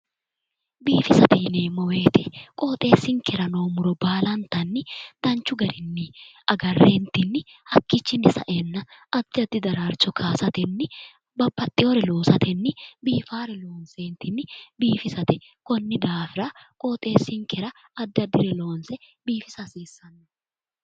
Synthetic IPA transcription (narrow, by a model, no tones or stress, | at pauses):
biːfɪsɐt̪iːneːmɔwe̞ːt̪ɪkʼoːt̪ʼe̞ːsɪŋkɛɾɐno̞ːmʊɾɔbaːlɐnt̪ɐnːɪt̪ɐnt͡ʃːʊɡɐɾɪnːɪ | ɐɡɐrːeːnt̪ɪnːɪhɐkːɪt͡ʃːɪnɪsɐ̰ʔɛnːɐɐd̪̥ːɪɐd̪ːɪd̪ɐɾaːɾt͡ʃɔkʰaːsɐt̪ɛnːɪ | bɐbːɐt̪ʼːɪɔɾɛlo̞ːsɐt̪ɛnːɪbiːfaːɾɛlo̞ːnseːnt̪ɪnːɪbiːfɪsɐt̪ɛ | kɔnːɪd̪aːfɪɾɐkʼoːt̪ʼe̞ːsɪŋkɛɾɐ | ɐd̪ːɪɐd̪ːɪɾɛloːnsɛ | biːfɪsɐsiːsːɐnːɐ